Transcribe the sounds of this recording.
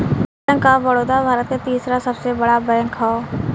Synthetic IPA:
ə̃ŋkaʋəɽoːd̪abʱaːɾət̪ːet̪iːsɾasəbsebəɽabəjə̃ŋkʰao

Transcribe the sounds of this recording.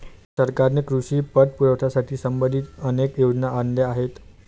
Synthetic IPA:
səɾkaɾnekɾuɕiːpəʈ̪̚puɾəʋt̪ʰasaʈʰiːsəmbənd̪ʱit̪ənekjod͡ʑnaʔanljaːɦet̪

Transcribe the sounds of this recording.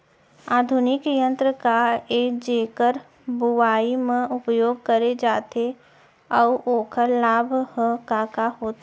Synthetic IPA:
aːd̪ʱʊnɪkjə̃nt̪ɾəkaɾeːkd͡ʒeːkəɾ | bʊwaːimẽʔʊpjoːɡ̚kəɾed͡ʒaːt̪e | ɔuʔoːkəɾlaːbʱhəkaːkaɦoːt̪ː

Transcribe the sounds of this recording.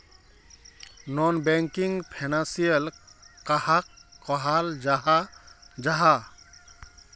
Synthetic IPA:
nɔnbɛŋkiŋpʰanansiɛlkahakːɔɦald͡ʒaɦad͡ʒaɦa

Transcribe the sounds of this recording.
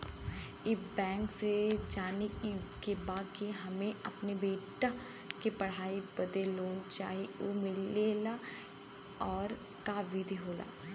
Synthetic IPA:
ɪbɛ̃ːŋksed͡ʒaːnekikebaːd̪keɦɐmẽɐpnebeːʈa | kepɐɽ̤aːibɐd̪eloːnt͡ʃa̰ːɦio̰ːmɪleːla | ɔːɾ | kaʋid̪ʱiɦoːla̰ː

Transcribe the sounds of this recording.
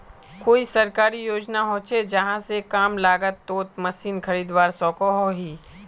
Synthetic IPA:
koːisɐɾkaːɾijoːd͡ʒnaɦõːt͡ʃed͡ʒɐɦãsekaːmlaːɡət̪ːoːt̪mɐsiːnkʰɐɾiːd̪ʋaːɾsɔ̃ːkoɦoɦiː

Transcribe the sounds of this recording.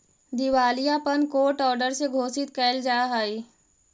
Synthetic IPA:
d̪ɪwaːlijapənkoːʈɔːɾɖəɾseɡʱoːsɪt̪̚kɛːld͡ʒaːɦaːiː

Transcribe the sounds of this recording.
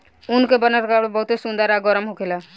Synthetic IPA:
unkebənəɾkaɽebəɦut̪esund̪əɾaɡɔɾəmɦokʰela

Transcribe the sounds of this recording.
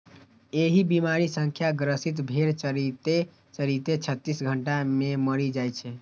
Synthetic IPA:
eɦibimaɾisə̃ŋkʰjaɡɾəsit̪̬bʱeɾt͡ʃəɾit̪e | t͡ʃəɾit̪et͡ʃʰət̪ːisɡʱəɳʈameməɾid͡ʒajt͡ʃʰɛ

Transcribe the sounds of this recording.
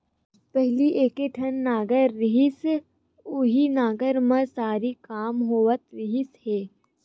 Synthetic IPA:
pɛɦliʔeːkeʈʰənːaːɡəɾːɪɦɪs | ʊɦinaːɡəɾmẽsaːɾikaːmɦoːʋət̪ɾɪɦɪsheː

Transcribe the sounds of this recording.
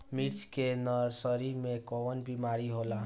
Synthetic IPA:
miʈskenʌɾsəɾiɾmekɔwənbimaɾiɦola

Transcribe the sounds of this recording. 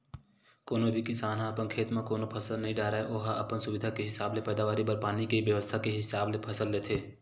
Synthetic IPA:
koːnobʱikɪsaːnɦãɐpənkʰeːt̪mãkoːnopʰɐsəlnɐɦĩɖaːɾaːeʔoːɦaʔɐpənsʊʋɪd̪ʱakeɦɪsaːblepɛːd̪aːʋaːɾibəɾpaːnikeiʋjəʋəst̪ʰakeɦɪsaːblepʰɐsəlːeːt̪ʰeː

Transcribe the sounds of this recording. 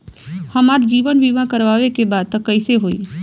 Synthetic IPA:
həmaɾd͡ʒiːʋənʋiʋãkəɾʋaʋekebad̪̚t̪əkəɪseɦoḭ

